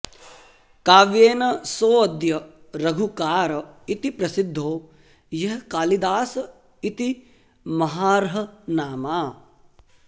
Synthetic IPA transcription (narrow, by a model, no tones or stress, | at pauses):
kaːʋjeːnɐsoːɐd̪jɐ | ɾɐɡʱukaːɾɐit̪ipɾɐsid̪ʱːoː | jɐɦɐkaːlid̪aːsɐ | it̪i | mɐɦaːɾɐɦɐ̆naːmaː